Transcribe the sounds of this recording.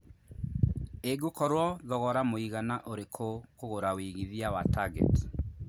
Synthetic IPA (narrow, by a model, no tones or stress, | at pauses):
eɡukɔɾwɔðɔɣɔɾamoiɣanaʔoɾekʰokoɣoɾawiɣiðiawataɡɛ̰t